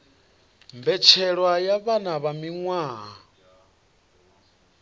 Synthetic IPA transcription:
mbɛt͡ʃʰɛɺwajaβanaβamiŋwaː

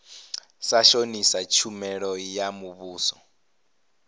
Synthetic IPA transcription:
saʃonisat͡ʃʰumɛɺɔjamuβuːsɔ

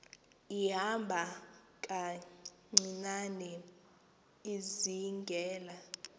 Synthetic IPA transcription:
iɦambʱakʼa | ŋ͡ǀinanɛ | iziŋɡʱɛːla

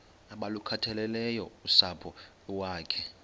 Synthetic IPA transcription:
aɓalukʰatʰɛlɛlɛjɔusapʰɔ | waːkʰɛ

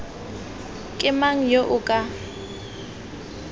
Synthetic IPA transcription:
kʼɪmaŋ̩joʔʊkʼa

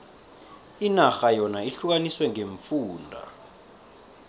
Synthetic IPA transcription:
inaxajɔnaiɬuk̬aniswɛŋeɱfuːndʱa̰

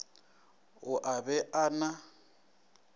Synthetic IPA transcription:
ʊʔabɛʔaːna

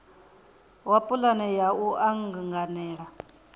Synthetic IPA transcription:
wapʼulanɛjauʔaŋɡŋɡanɛːɺa

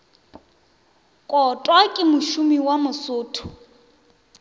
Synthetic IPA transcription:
kʼɔtʼwakʼɪmʊʃumiwamʊsʊːtʰʊ̥

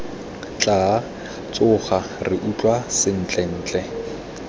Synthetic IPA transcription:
t͡ɬʼa | t͡sʼʊχa | rɪʔut͡ɬʼwasɪn̩ːt͡ɬʼɛn̩ːt͡ɬʼɛ

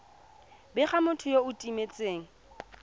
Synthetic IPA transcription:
bɪχamʊtʰʊjoʊtʼimet͡sʼeːŋ̩

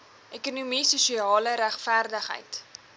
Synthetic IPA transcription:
ʔekunumisuʃiɑːləɾæχfæːrdəχɦə̰jt

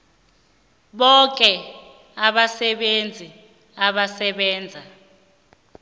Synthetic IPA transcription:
ɓɔk̬ʼɛ | aɓasɛɓend͡zʱi | aɓasɛɓɛːnd͡zʱa

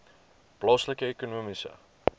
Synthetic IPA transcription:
plɔsləkəekonuəmisə̰

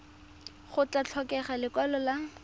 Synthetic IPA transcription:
χʊt͡ɬat͡ɬʰɔkɛχalɪkwɛlɔla

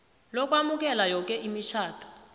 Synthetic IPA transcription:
lɔk̬wamuk̬ɛlajɔk̬ɛʔimit͡ʃʰaːtʰɔ̥

